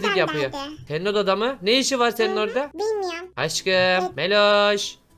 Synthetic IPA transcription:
d̪ikjapɯjot̪ʰɛnod̪ad̪amɯneiʃivaɾsenino̞ɾd̪a | aʃkɯmːelʲoʃ

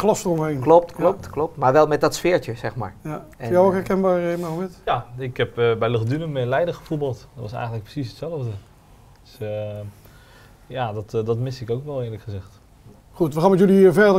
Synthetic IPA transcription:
klɔstəromejnklop̚tklop̚tklɔp̚tmaːɹʋɛlˠmɛt̚dɔtsfɪːəɹtjəsɛxma̰ːɹjawokɦɛɹkɛnbaːeməɪtjaɪkhɛpbɛjləχdynəmɪlɛjdəxəfubɑlˠtdɔtʋɑsɛ̰jɣəntləkprə̥sisətsɛlˠəvdə | d̥s | jadɔtdɔtmɪsɪkowkʋɛlˠɪːləkχəzɛxt | xutʋəxaːnmɛtjølifɛrdə

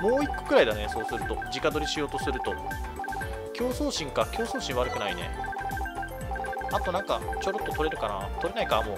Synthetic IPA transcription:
mo̞ːikːo̥kɯɾaid̪ane̞so̞ːsɨɾɯ̟t̪o̞̰d͡ʑikad̪o̞ɾʲiɕijo̞ːt̪o̞sɨɾɯ̟t̪o̞ | kʲo̞ːsoːɕĩŋkakʲo̞ːso̞ːɕĩɰ̃βaɾɯ̟kɯ̟nainḛ | at̪onãŋkat͡ɕo̞ɾot̪ːot̪oɾe̞ɾɯ̟kana̰t̪o̞ɾe̞naikamo̰ː

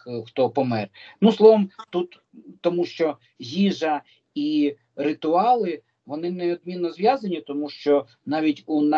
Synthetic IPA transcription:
xt̪ɔpɔmɛrnuslˠɔʋɐmt̪ut̪ː | ɔmuʃt͡ʃɔ | ɦʲiʒɐ | i | ɾɪt̪ʊɑlˠɪ | ʋɔnɪnɛɔd̪̚mʲinːɔzʋʲjɑzɐnʲit̪ɔmuʃt͡ʃɔ | nɑʋʲitʲunɑ

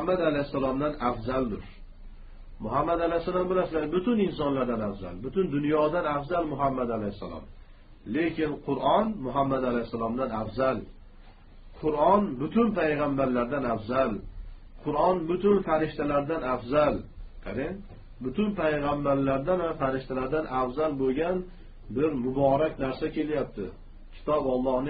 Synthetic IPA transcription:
amːad̪alajɪsːalɒmd̪anafzald̪ʊɾ | mʊɦamːad̪alajsːalˠɒmbɪlasɪlaɡʲɪbʊt̪ʊnɪnsɒnlaɾd̪anafza̰lbʊt̪ʰʊnd̪ʊnjɒd̪anafzalmʊɦamːad̪alahɪsːa̰lɒ̰m | lekʲɪnqʰʊɾʔɒnmʊɦamːad̪alajhsːalˠɒmd̪anafzal | qʰʊɾɒnbʊt̪ʰʊnpʰajʁambaɾlaɾd̪anafzal | qʰʊɾɒnbʊt̪ʊnfaɾɪʃt̪alaɾd̪anafzalqʰaɾen | bʊt̪ʰʊnpʰajʁambaɾlaɾd̪anvafaɾɪʃt̪alaɾd̪anʔafzalboɡʲan | bɪɾmʊbɒːɾakʲnaɾsakʲʰe̞ljap̚t̪ʰɪ̰ | kʲʰɪ̥t̪ʰɒbɒlˠːɒhnɪ

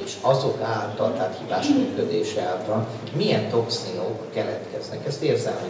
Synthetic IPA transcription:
eʃɒzo̞kaːlːɛnt̪ɒrt̪aːt̪hiːvaːʃmyːkød̪eːʃɛaːlt̪ɒn | mijɛnt̪o̞ksiokːɛlɛt̪kɛznɛkɛst̪eːrzɛlm

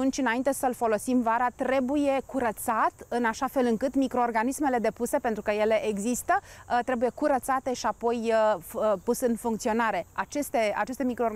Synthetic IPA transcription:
unt͡ʃʲɨnaint̪e̞səlfo̞lo̞simvaɾat̪ɾe̞buje̞kuɾət̪sat̪ɨnaʃafe̞lɨŋkɨt̪mikɾo̞ːrɡanisme̞le̞d̪e̞puse̞pent̪ɾukəje̞le̞ʔeɡzist̪ət̪ɾe̞buje̞kuɾət̪sat̪e̞ʃiapo̞j | pusɨnfuŋkt̪sio̞naɾe̞at͡ʃe̞st̪e̞a̰t͡ʃe̞st̪e̞mikɾo

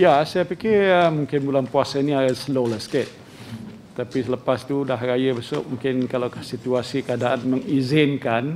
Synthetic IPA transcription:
jasajapikɪəmũŋkɪnbulanpuasainĩasəlolasket̪̚ | t̪apisələpast̪udaɦrajəbəsʊ̰ʔ̚mũŋkɪnkalakahsit̪uasikəadaʔanməŋizɪnkan

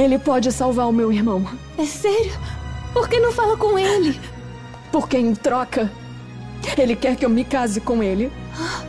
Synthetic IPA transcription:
elɪpɔd͡ʒɪsawvaɾʊmewiɾmɐ̃w̃ | ɛsɛɾjʊpoɾkenɐ̃w̃falɐkõelɪ | poɾkẽj̃t̪ɾɔkɐ | elɪkɛɾkɪewmɪkazɪkõw̃elɪ | a

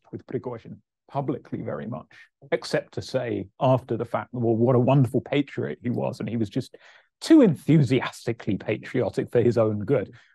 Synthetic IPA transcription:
wɨð̥pʰɹ̥ɨɡɔʃɨ̃n | pʰʌblɨkʰlḭvɛ̰ɹḭmʌ̰t͡ʃ | ɨksɛp̚tʰɨseɪæftə˞ðəfæ̰k̚ðəɔwʌɾəwʌ̃ndə˞fl̩ˠpʰeɪt͡ʃɹ̥iə̰ɪt̚hiwʌ̰zɨ̃niwʌzd͡ʒʌs | tʰʉɨ̃nθjʉziæstɨkʰlipʰeɪt͡ʃɹ̥iɑɾɨkfə˞ɨzõʊ̃nɡʊd̥

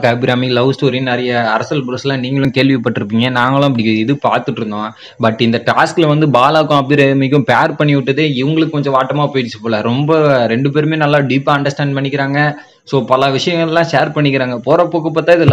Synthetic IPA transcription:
kɐːbɪɾaːmɪlɐʋsʈoːɾɪnnɛɾɐjɐɐɾɐsɐlbɾɐsɐlãːniːŋɡɐɭʊ̃keːɭʋɪpɐʈːɪɾɯpːiːŋɡɐnaːŋɡɐɭʊ̃ɐp̬ːɐɽɪkɪðɯpaːɾt̪ɯʈːɯɾɯnd̪õː | bɐʈːɪnd̪ɐʈaːsklɐʋɐnd̪ɯbaːlaːkːʊ̃ɐpːɪɾamɪk̬ːʊ̃paːɾpɐɳːɪʋɪʈːɐðeɪʋɐŋɡɐɭɯkːɯkɔɲd͡ʒɔ̃ʋaːʈːɐmaːpoːjɪʈɪt͡ʃːɯpoːlɐɾɔmbɐɾɛɳɖɯp̬eːɾɯmeːnɐlːaːɖiːpːaːɐɳɖɐɾsʈaːɳɖ̚pɐɳːɪkːɪɾaːŋɡɐ | soːpɐlɐʋɪʂɐjɐŋɡɐɭɛlːãːʂeːɾpɐɳːɪkːɪɾaːŋɡɐpoːɾɐpːoːkːɐpːɐt̪ãːɪðɯl

